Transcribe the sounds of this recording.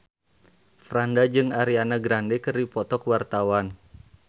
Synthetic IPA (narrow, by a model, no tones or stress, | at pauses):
fɾandad͡ʒɨŋaɾianaɡɾandɛkəripɔt̪ɔkwart̪awan